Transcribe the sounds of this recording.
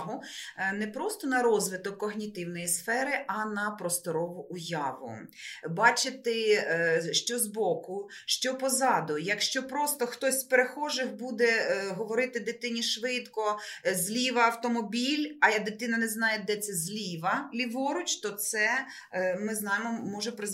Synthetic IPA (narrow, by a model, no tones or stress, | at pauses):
ɦʊnɛpɾɔst̪ɔnɐɾɔzʋɪt̪ɔkːɔɦnʲit̪ɪwnɔjisfɛɾɪʔɐnɐpɾɔst̪ɔɾɔʋʊʔʊjɑʋʊ̰bɑt͡ʃɪt̪ɪ | ʃt͡ʃɔzbɔkʊ | ʃt͡ʃɔpɔzɑd̪ʊjɐkʃt͡ʃɔpɾɔst̪ɔxt̪ɔsʲpeɾexɔʒɪxbud̪ɛɦɔʋɔɾɪt̪ɪd̪ɪt̪ɪnʲiʃʋɪt̪kɔzʲlʲiʋɐːwt̪ɔmɔbʲilʲɐjɐd̪ɪt̪ɪnɐnɛznɑjed̪ɛt̪sɛzʲlʲiʋɐlʲiʋɔɾʊt͡ʃt̪ɔt̪sɛ | mɪznɑjɪmɔmɔʒɛpɾɪ